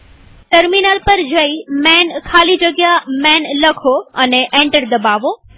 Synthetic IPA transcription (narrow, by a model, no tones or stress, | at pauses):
ʈɐɾmiːnaːlpɐɾd͡ʑɐimɛ̃ːnkʰaːlid͡ʑɐɡjamɛ̃ːnlɐkʰoɐneʔẽːɳʈəɾd̪ɐbaːʋoː